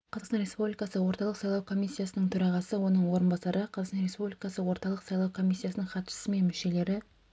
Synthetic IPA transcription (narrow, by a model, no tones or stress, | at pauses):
qʰɑzɑqst̪ɑnɾʲe̞spublʲijkɑsəwo̞ɾt̪ɑlˠəqsɑjlˠɑwkʰo̞mʲijsʲːijasənəɴt̪ʰɵɾɑʁɑsəwo̞nəɴwo̞ɾənbɑsɑɾʔəqʰɑzɑqsɑnɾe̞spublikɑsəwo̞ɾt̪ɑlˠəqsɑjlˠɑwkʰo̞misʲːijasənəɴχɑt̪ʃə̥səme̞nmɪʃe̞le̞ɾɪ